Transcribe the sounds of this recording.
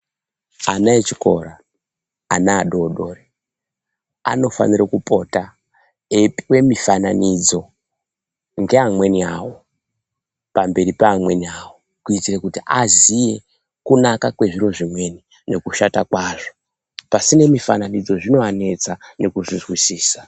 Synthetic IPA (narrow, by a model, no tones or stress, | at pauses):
anaet͡ʃiko̞̰ɾa | anaːɗo̞ɗoːre | a̰no̞fa̰niɾakupʼo̞ta | epiwe̞mifananid͡zo̞ | ŋɡe̞amwe̞niawo̞ | pambe̞ɾipaːmwe̞niawo | kuitirekutiʔazije̞ | kunakakwe̞ʐiro̞ʐimwe̞ni | ne̞kuʃatakwaːʐo̞ | pasine̞mifananid͡zo̞ʐino̞ane̞t͡sane̞kuʐizwisiːsḁ